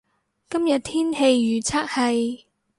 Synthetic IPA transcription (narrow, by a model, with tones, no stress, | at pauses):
kɐ˥mjɐ˨t̚t̪ʰiː˥nhe˧jːyː˨˩t͡sʰaː˥k̚hɐ˨j